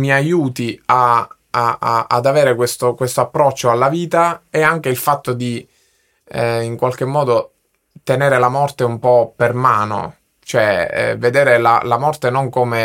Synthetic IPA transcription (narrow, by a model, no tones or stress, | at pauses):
miajuːt̪ia | a̰d̪aveːɾekwest̪okwest̪oapːɾɔt͡ʃːoalːaviːt̪aeaŋk̟eilfat̪ːod̪i | iŋkwalk̟emːɔːd̪o | t̪eneːɾelamɔrt̪eumpɔpermaːno̰ | t͡ʃoɛɛ̰ved̪eːɾela̰lamɔrt̪enoŋkome